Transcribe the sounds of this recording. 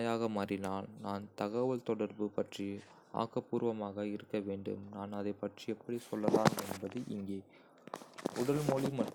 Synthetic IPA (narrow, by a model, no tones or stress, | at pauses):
jaːɣɐmɐrɪnaːlnaːnt̪ɐɣɐʋɐlt̪ɔɽɐɾbɯpɐʈri | a̰ːkːɐpuːɾʋɐmaːɣɐɪɾɯkːɐʋeːɳɖɯ̰mnaːnɐðɐɪpːɐʈriɛpːɐɽisɔlːɐðaːnɛnbɐðɯʔɪ̰ŋɡeː | ʊɽɐlmɔlimɐʈ